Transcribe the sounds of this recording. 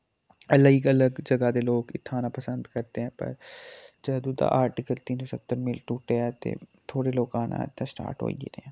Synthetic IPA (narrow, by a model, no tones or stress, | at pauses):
ələɡələɡd͡ʒəɡaːd̪eːloːkɪt̪ʰːaːnaːpəsənd̪kəɾt̪eːɦɛ̃ːpə̰ɾd͡ʒəd̪ũːd̪a̰ːʔaːɾʈɪkəlt̪iːnssət̪ːəɾmɪlʈuːʈeːɛːt̪ḛːt̪ʰoːɽeːloːkaːnã̰ːt̪ːãsʈa̰ːɾʈɦo̰ːḭt̪eɛ̃ː